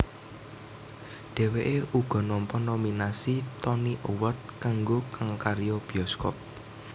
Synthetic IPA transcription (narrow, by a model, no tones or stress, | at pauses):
ɖ̥e̤weʔeuɡ̥ɔ̤nɔmpɔnominasit̪ɔniʔowɔt̪̚kaŋɡokaŋkaɾijɔb̥i̤ɔskɔ̰p̚